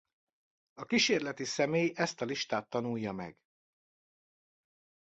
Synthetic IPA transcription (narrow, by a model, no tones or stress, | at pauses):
ɒkiʃeːrlɛt̪isɛmeːjɛst̪ɒliʃt̪aːt̪ːɒnujːɒmɛ̰ɡ̥